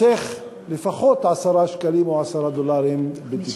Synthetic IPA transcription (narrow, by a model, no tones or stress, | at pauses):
eχ | lefaχo̞t̪ʕasaɾaʃkalimoʕasaɾad̪olaɾimbet̪i